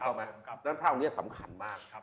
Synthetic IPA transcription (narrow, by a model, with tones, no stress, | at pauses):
ɔ˧˩ma˦˥jn˧˦˥t̪ʰa˥˩˨ni˥˩sa̰˩˦mkʰa˧nmaː˥˩k̚